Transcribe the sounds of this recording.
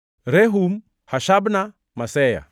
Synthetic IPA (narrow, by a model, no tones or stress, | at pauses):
ɾɛɦum | haʃabna | masɛja̰